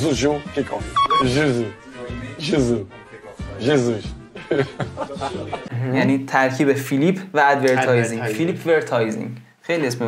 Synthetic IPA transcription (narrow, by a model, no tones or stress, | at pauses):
zuʒukʰekʰɔʒuzu | ʒezu | ʒezuʃ | jæniːt̪ʰæɾkʰiːbefilipʰvææd̪veɾt̪ʰɒːjzĩŋfilipʰveɾt̪ʰɒːjzḭ̃ŋ | xejliesmi